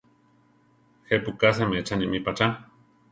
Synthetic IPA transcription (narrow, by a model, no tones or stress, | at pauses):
xepukas̬emeet͡ʃanimipat͡ʃa